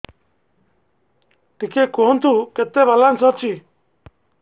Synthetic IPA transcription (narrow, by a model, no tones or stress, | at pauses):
ʈikekoːnt̪ʰuket̪ebalansɔt͡ʃʰi